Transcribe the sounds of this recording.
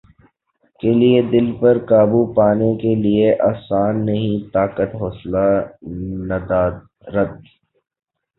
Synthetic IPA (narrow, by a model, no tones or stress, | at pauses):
kelied̪ɪlpɐɾkaːbupaːnekelieʔaːsaːnːɐɦĩt̪aːkət̪ɦɔːsla | nɐd̪aːd̪ | ɾɐd̪